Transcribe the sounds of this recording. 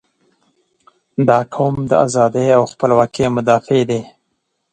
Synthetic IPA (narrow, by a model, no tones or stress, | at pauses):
d̪ɑkʰowmd̪ə̰a̰zɑd̪əjawxpəlwɑkemʊd̪ɑfed̪e